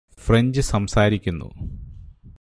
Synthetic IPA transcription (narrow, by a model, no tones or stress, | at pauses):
freɲd͡ʑɨsɐmsaːɾikʲːunːṵ